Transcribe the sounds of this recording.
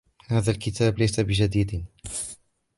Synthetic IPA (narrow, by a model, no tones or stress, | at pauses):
haːðalkɪt̪ʰaːblajsabɪd͡ʒad̪iːd̪